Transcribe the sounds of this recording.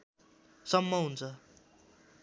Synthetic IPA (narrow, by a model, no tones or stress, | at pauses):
sʌmːʌɦunt͡sʰʌ